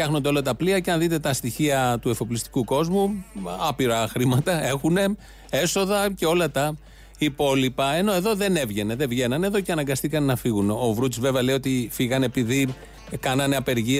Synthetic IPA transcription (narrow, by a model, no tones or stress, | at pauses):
ɐxno̞nd̪eolɐt̪ɐpliɐceɐnðit̪e̞t̪ɐst̪içiɐt̪ue̞fo̞plist̪i̥kuko̞zmuɐpiɾɐxɾimɐt̪ɐe̞xune̞ | e̞so̞ðɐce̞o̞lɐt̪ɐ | ipo̞lipɐe̞no̞e̞ðo̞ðe̞ne̞vʝe̞ne̞ðe̞vʝe̞nɐne̞ðo̞ceɐnɐŋɡɐsθikɐnnɐfiɣuneo̞vɾut̪izve̞veɐle̞io̞t̪ifiɣɐne̞piði | kɐnɐne̞ɐpe̞ɾʝi